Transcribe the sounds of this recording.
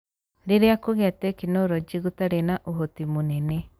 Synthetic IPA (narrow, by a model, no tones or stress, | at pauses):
ɾeɾeakoɣɛtɛkinoɾɔd͡ʒiɣutaɾenaʔoɦotimonɛnɛ